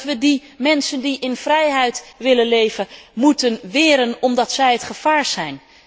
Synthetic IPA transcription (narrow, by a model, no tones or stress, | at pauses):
tʋədi | mɛnsəndiʔɪnv̥rɛjɦɛjtʋɪlənlejvəmutənʋɪːɾənɔmdɑtsɛjətχəv̥aːɹz̥ɛjn